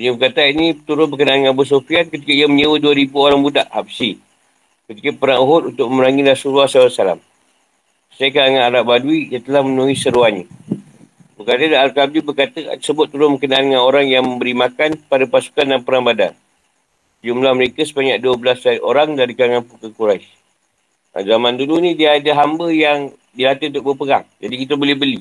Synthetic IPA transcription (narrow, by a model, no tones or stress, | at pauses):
uɲəbəkat̪ainit̪uɾʊnbəkənaːnəŋãnbus̬ofiat̪̚kət̪ikəiəmə̃ɲəwəduəɾibuoɾaŋbudaʔhabsi | kət̪ikəpəɾaŋuɦʊt̪̚unt̪ʊk̚məməɾaŋilasuɾuasaasala̰m | sajəkəɾaŋanalaʔ̚baduiat̪əlahmənuisəɾuaɲə̃ | bəkat̪ədaalkab̚dibərkat̪ə̰ə̥səbʊt̪̚ːəɾʊmbəkənaandəŋanoɾaŋjaŋmə̃mbəɾimakanpadapasu̥kandanpəɾaŋbada̰n | sd͡ʒumlahməɾekəsəbaɲaʔ̚duəbəlasdaiʔoɾaŋdaɾikəɾaŋanpukəkuɾajs | ʔa̰zamãndulunĩdiəːdaɦambəjaŋ | dilat̪əunt̪ʊk̚bəpəɡaŋd͡ʒadikit̪əbolɛhbəli